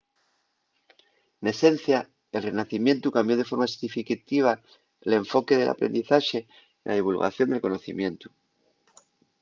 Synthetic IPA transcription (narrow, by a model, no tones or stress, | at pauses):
ene̞se̞n̟θja | e̞lrenaθimje̞nt̪ukambjo̞ðe̞fo̞ɾmasi̥ifikat̪iβ̞a | le̞ɱfo̞ke̞ð̞e̞lʔa̰pɾḛnd̪iθaʃe̞ | la̰ðiβulɣa̰θjo̞nd̪e̞lko̞no̞θḭmjẽ̞nt̪u